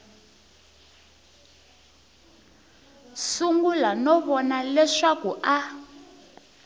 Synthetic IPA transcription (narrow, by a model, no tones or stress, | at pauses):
suŋɡulanɔβɔnalɛʂakuʔa